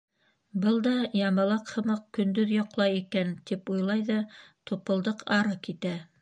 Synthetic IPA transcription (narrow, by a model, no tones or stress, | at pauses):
bɤlˠd̪ɑjɑmɑ̆lˠɑqhɤ̆mɤq̚kɵ̆nd̪ɵðjɑqlˠɑjikænt̪ipujlˠɑjðɑt̪upɤ̆lˠd̪ɤqɑɾɤkit̪æ